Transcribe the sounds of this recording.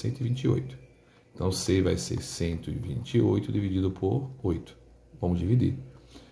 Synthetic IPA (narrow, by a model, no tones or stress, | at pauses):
sẽnt̪ʊɪvĩt͡ʃio̰jt̪ʊ̥ | ẽt̪ɐ̃w̃sevajsḛɾsẽnt̪ʊḭvĩnt͡ʃiojt̪ʊd̪ivid͡ʒid̪ʊpʰoɾojt̪ʊ̥ | vɐ̃mʊzd͡ʒivid̪ḭ